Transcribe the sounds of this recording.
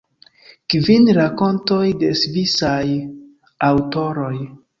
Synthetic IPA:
kvinɾako̞nto̞jde̞svisaj | awto̞ɾo̞j

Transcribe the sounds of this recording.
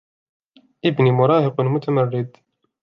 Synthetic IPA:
ʔɪbnimʊɾˤɑːhɪqmʊt̪ʰamarːɪd̪

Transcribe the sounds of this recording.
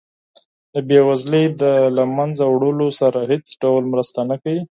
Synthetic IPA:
d̪əbewazləjd̪əlamanzawɽəlosaɾahet͡sɖawlmɾəst̪anakawi

